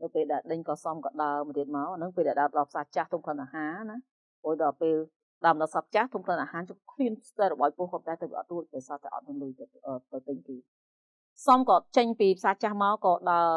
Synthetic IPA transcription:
nɨwpeːlɗaɛlɗəɲkɑːsɑmkɑːɗaəmət̪iət̪̚maɔʔanɨŋpeːlɗaɛɗaətɗɑlpʰsaːt͡ɕaht̪ʰumkʰləənʔaːhaːna | ʔoːj̚ɗɑlpeːl | ɗaəməɗɑːsɑp̚t͡ɕaht̪ʰumkʰlənʔaːhaːnt͡ɕkʰliənt̪arɔɓaːj̚pŭəhkoːpnt̪aɛt̪əwʋiəʔt̪̚ruəc̚ɓajsaːt̪aɛʔɑ̰t̪̚miənluəjt̪ʔəːt̪əwt̪ɨɲpiː | sɑmkɑːt͡ɕəɲpiːpʰsaːt͡ɕahmaɔkɑːɗaə

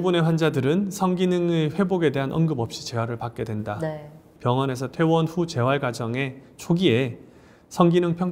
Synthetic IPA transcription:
ubune̞ɸwand͡ʑadɯɾɯnsʰʌŋɡinɯŋeɸwe̞boɡe̞de̞ɦanʔʌŋɡɯbʌp̚ɕ͈i̥t͡ɕe̞waɾɯɭpak̚k͈e̞dwe̞nda | pjʌŋwʌne̞sʰʌtʰwe̞wʌnɸut͡ɕe̞waɭɡwad͡ʑʌŋe̞t͡ɕʰoɡie̞ | sʰʌŋɡinɯŋpʰjʌ

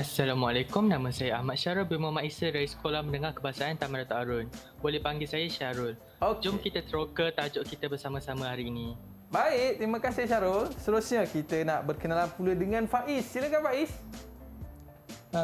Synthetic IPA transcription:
asːalamwalakʊmnãmãsajaahmat̪̚ʃaɾʊlbimamaʔisədajasə̥kolahməndəŋarkəbaasaant̪amandat̪uaɾʊn | bolɛhpaŋɡilsajaʃaɾʊl | od͡ʒʊmkit̪at̪əɾokət̪ad͡ʒoʔkit̪abərsamãsamãɦaɾiːnĩ | baɪʔt̪ɾimãkasiʃaɾʊlst̪əɾusɲãkit̪ənaʔbərkənalanpulədəŋãnfaʔisːilakanfaʔis

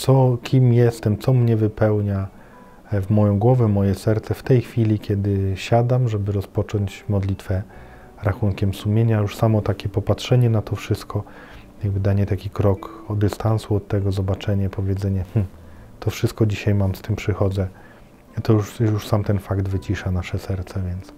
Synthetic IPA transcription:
t̪ɔkʲimjɛst̪ɛmt̪sɔmɲɛvɘpɛwɲa | vmɔjɔ̃w̃ɡwɔvɛmɔjɛsɛɾt̪sɛft̪ɛjxfʲilʲikʲɛd̪ɘɕad̪amʐɛbɘɾɔspɔt͡ʂɔɲt͡ɕmɔd̪lʲit̪fɛ | ɾaxunkʲɛmsumʲjeɲajuʂsamɔt̪akʲɛpɔpatʂɛɲɛnat̪ʰɔfʂɘst̪̚kɔ | jaɡbɘd̪aɲɛt̪akʲikɾɔkɔd̪ɘst̪ansuɔt̪ːɛɡɔzɔbat͡ʂɛɲɛpɔvʲjɛd̪zɛɲɛmm̩ | t̪ɔfʂɘst̪̚kɔd͡ʑiɕajmamst̪ɘmpʂɘxɔd̪zɛ | t̪ɔjuʂjuʂsamt̪ɛnfaɡd̪vɘt͡ɕiʂanaʂɛsɛɾt̪sɛvʲjɛnt̪s

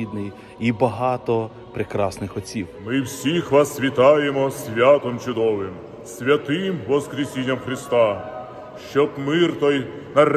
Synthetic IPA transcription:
id̪nɪj | ibɐɦɑt̪ɔ | pɾɪkɾɑsnɪxɔt͡sʲiwmɪwsʲixʋasʋʲit̪ɑjemɔsʲʋʲat̪ɔmt͡ʃʊd̪ɔʋɪm | sʲʋʲɐt̪ɪmʋɔskɾʲisʲinʲːɐmxɾɪst̪ɑ | ʃt͡ʃɔbmɪrt̪ɔj | nɐɾ

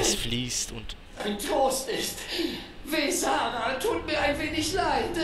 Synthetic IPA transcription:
sfliːstʊ̰nt | ʔaɪntʁoːstɪstvezaːnatʰuːtmiːɐaɪnveːnɪçlaɪt

